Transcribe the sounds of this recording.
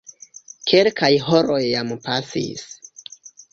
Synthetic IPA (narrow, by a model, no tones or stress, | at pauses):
kʰelkʰajɦo̞ɾo̞jːampasḭs